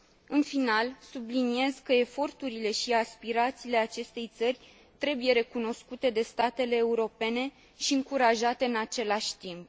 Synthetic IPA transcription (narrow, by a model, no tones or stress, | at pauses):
ɨnfinalsublinie̞zkəe̞fo̞rt̪uɾile̞ʃiaspiɾat̪siːle̞at͡ʃe̞st̪e̞jt̪sərʲ | t̪ɾe̞buje̞ɾe̞kuno̞skut̪e̞d̪e̞st̪at̪e̞le̞ːuɾo̞pe̞ne̞ | ʃiɨŋkuɾaʒat̪e̞ɨnat͡ʃe̞laʃʲt̪imp̚